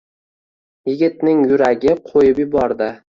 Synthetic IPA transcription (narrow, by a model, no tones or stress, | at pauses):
jɪɡʲɪt̪̚nɪŋjʊɾaɡʲɪqʰojɪpjɪbɒɾd̪ɪ